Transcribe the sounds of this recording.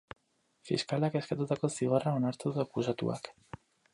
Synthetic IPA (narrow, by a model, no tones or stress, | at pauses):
fḭskalakeskat̪ut̪akonsθiɣoaraunaɾt̪eðakuzat̪ṵa̰k